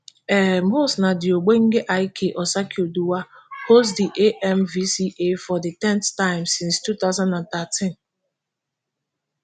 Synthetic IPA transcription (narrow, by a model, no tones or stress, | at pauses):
ɛɦmosnadɪoɡ͡beŋ̩ɡɪʔaɪkʰeʔɔsakioduwahosdiʔeʔɛmvisiʔefɔdɪtɛ̃nttaɪ̃msɪ̃nstut̪aʊzãndãnt̪atʰĩn